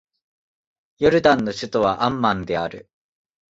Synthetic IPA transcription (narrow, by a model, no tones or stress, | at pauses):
joɾɯ̟d̪ãnːo̞ɕɨt̪oβaʔãmːãnd̪e̞aɾɯ̟